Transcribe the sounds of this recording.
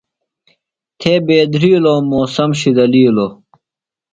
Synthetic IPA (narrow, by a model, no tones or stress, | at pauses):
t̪ʰeːbeːd̪ɾiːloːmoːsɐmɕid̪ɐliːlo